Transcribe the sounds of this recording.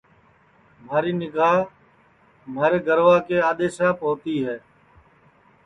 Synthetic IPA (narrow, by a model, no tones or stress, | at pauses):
maːɾiːnɪɡaːɦ | maːɾeːɡəɾʋaːkeːaːɗ̪eːʃaːpoːt̪iːɦɛː